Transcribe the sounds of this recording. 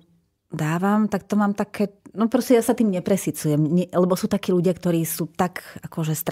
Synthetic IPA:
d̪aːʋamt̪ak̚t̪ɔmaːmt̪akʰɛːnɔpɾɔscʲɛjasat̪iːmɲɛpɾɛsit͡sujɛmɲɛlɛbɔsuːt̪akiːluɟɪakt̪ɔɾiːsuːt̪akakɔʒɛst̪ɾ

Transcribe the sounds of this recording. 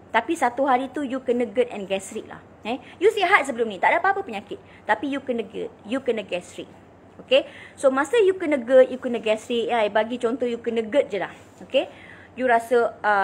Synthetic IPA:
t̪apisat̪uɦaɾit̪ujukənə̃ɡət̪̚ɛ̰̃nɡɛsɾiʔ̚la̰h | ãjusiɦat̪̚səbəlʊmnĩt̪aʔ̚dapaapəpəɲãkɪt̪̚ | t̪ːapijukənəɡə̰t̪̚jukənəɡɛsɾik̚ | okesomãsəjukənəɡət̪̚jukənəɡɛsɾiʔjajbaɡit͡ʃɔnt̪ɔjukənəɡət̪̚d͡ʒəlah | oke | juɾasəʔə

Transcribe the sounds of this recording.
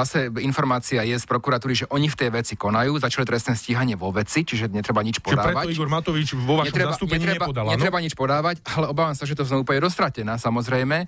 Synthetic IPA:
asɛinfɔɾmaːt͡siajɛspɾɔkuɾat̪uːɾiʒɛʔɔɲift̪ɛjʋɛt͡sikɔnajuːzat͡ʃalit̪ɾɛst̪nɛːsciɦaɲɪɛʋɔʋɛt͡sit͡ʃiʒɛɲɛt̪ɾɛbaɲit͡ʃpɔd̪aːɾɛaɔiɡɔɾmat̪ɔʋit͡ʃʋɔʋaɲɛt̪ɾɛat̪uːɲpɛɲiɾɛbaɔd̪alɲɛɾɛbaɲit͡ʃpɔd̪aːʋacalɛɔbaːʋamsaʒɛt̪̬ɔznɔupɲɛd̪ɔst̪ɾacɛnaːsamɔzɾɛjmɛ

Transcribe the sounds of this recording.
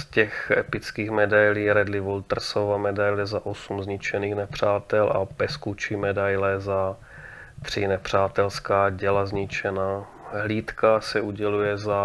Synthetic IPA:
scɛxɛ̰pɪt͡skiːxmɛdajliːɾɛdlɪvolt̪r̩sovamɛdajlɛzaʔosumzɲɪt͡ʃɛniːxnɛpr̝̥aːt̪ɛlʔa̰bɛskut͡ʃimɛdajlɛza | t̪r̥ɪnɛpr̝̥aːt̪ɛlskaːɟɛlazɲɪt͡ʃɛnaː | ɦliːt̪kasɛʔuɟɛlujɛza

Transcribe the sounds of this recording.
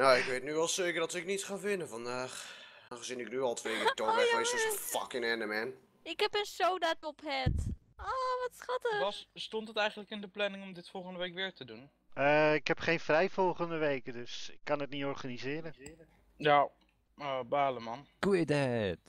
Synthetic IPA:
nowɪkʋetnyʋɛlˠseːkərdɔtɪknitχaːvɪnəfɑndaːχ | ɔχəzɪnɪknyɑlˠtʰʋejv̚tooəjɪsɪfɑ̰kɪŋɛnəmɛn | ɪkɦɛpənsowdatɔpɦɛt | oʋɑtsχɑtəstɔntɦətɛjχəntləkɪndəplɛnɪŋɔmdɪtfɔlˠχəndəʋejkʋɪːɹtədun | əɪkɦɛpχejnfrɛjvɔlˠχəndəʋejkədøsɪkːɑnətnitɔɹχanizɪːɾəə | ja | baːləmɑnkuɪdɛt

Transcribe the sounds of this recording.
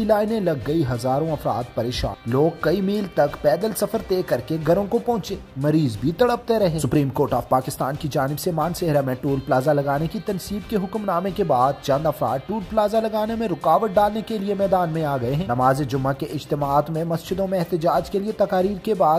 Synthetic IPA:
ilaːɪnẽlɐɡːɐiɦɐzaːɾõɐfɾa̰ːd̪pɐɾeːʃa̰ːnloːɡ̚kɐimiːlt̪ɐkpɛːd̪əlsɐfəɾt̪eːkɐɾkeɡʱɐɾõkopɔ̃ːt͡ʃeːmɐɾiːzbʱit̪ɐɽəp̚t̪eɾɐɦesʊpɾiːmkoːɾʈaːfpaːkɪst̪aːnkid͡ʒaːnɪbsemaːnseɦɾamẽʈuːɾplaːzalɐɡaːnekit̪ɐnsiːbkeɦʊkmnaːmekebaːd̪̚t͡ʃɐ̃nd̪ɐfɾa̰ːd̪̚ʈuːɾplaːzalɐɡaːnemẽɾʊkaːʋəʈ̚ɖaːlnekeliemɛːd̪aːnmẽaːɡɐeɦɛ̃ːnɐmaːzed͡ʒʊmːakeʔɪd͡ʒt̪ɪmaːt̪mẽmɐsd͡ʒɪd̪õmẽɛɦt̪ɪd͡ʒaːd͡ʒkeliet̪ɐkaːɾiːɾkebaːd̪

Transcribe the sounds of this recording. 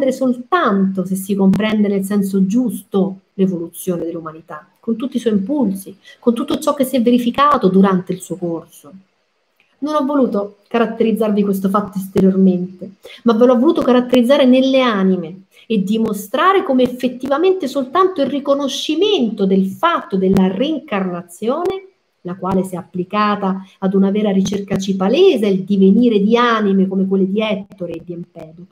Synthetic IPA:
d̪eɾesolt̪ant̪os̬es̬ːikompɾɛnd̪enels̬ɛns̬od͡ʒust̪olevolut̪sːjoːned̪elːumanit̪a | kont̪ut̪ːiswɔimpulsikont̪ut̪ːot͡ʃɔkːesːjɛvːeɾifikaːt̪od̪uɾant̪eilsuokorso | nonɔvːoluːt̪o | kaɾat̪ːeɾid̪zːarvikwes̬t̪ofat̪ːoist̪eɾjorment̪emavːelɔvːoluːt̪okaɾat̪ːeɾid̪zːaːɾenelːeaːnime | ed̪ːimost̪ɾaːɾekomeːfːet̪ːivament̪esolt̪ant̪oilrikonoʃːiment̪od̪elfat̪ːod̪elːariiŋkarnat̪sːjoːne | lakwaːlesɛapːlikaːt̪aːd̪unavɛːɾaɾit͡ʃerkat͡ʃipaleːzaeld̪iveniːɾed̪iaːnimekomek̬welːed̪iɛt̪t̪ːoɾed̪ːiempɛːd̪o

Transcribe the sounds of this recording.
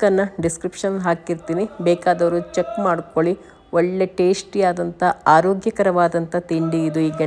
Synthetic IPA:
kɐnːɐɖiskɾipʂɐnɦaːkiɾt̪iːnibɛːkaːd̪ɐʋɐɾut͡ʃekːmaːɽko̞ɭi | oɭːe̞ʈe̞ːsʈijaːd̪ɐnt̪ɐaːɾoːɡjɐkɐɾɐʋaːd̪ɐnt̪ɐt̪iɳɖiːd̪uiːɡɐ

